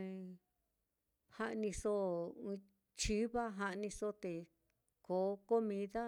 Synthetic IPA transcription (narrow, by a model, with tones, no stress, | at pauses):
ha˦˧ʔnĩ˧sõ˦˧ | t͡ʃi˦βa˦ɦa˧ʔnĩ˧so˦t̪e˨ | ko˨˦ko˦mĩ˧˦ða˦